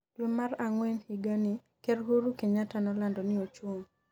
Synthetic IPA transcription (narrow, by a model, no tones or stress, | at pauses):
twemːaraŋwɛnhiɡanɪ | kerɦuɾukeɲatanɔlandɔnɪot͡ʃwoŋ